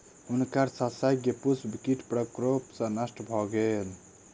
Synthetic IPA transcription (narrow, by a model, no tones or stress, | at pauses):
unkaɾsasajɡepusbikiʈpɾəkɾopsə̃nasʈbʱɔɡel